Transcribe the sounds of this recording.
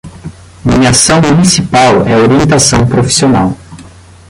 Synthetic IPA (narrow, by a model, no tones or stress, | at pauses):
mĩɲasɐ̃w̃munisipawɛoɾiẽnt̪asɐ̃w̃pɾofi̥sionaw